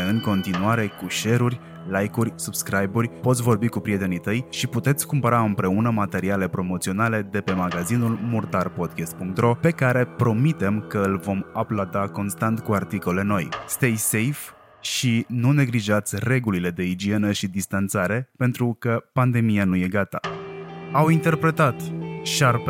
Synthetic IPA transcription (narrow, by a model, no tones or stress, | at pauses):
ɨŋko̞nt̪inuaɾe̞kuʃe̞ɾurʲ | lajkurʲsubskɾajburʲpo̞t̪sʲvo̞rbikupɾiet̪e̞nit̪əjʃiput̪e̞t̪sʲkumpəɾaɨmpɾe̞unəmat̪e̞ɾiale̞pɾo̞mo̞t̪sionale̞d̪e̞pe̞maɡazinulmurt̪arpo̞d̪̚kʲest̪̚puŋk̚t̪ɾo̞pe̞kaɾe̞pɾo̞mit̪e̞mkəɨlvo̞maplad̪ako̞nst̪ant̪kuart̪iko̞le̞no̞jst̪ejse̞jf | ʃinune̞ɡliʒat̪sʲre̞ɡulile̞d̪e̞id͡ʒie̞nəʃid̪ist̪ant̪saɾe̞pe̞nt̪ɾukəpand̪e̞mijanuje̞ɡat̪a̰ | awint̪e̞rpɾe̞t̪at̪ʃarp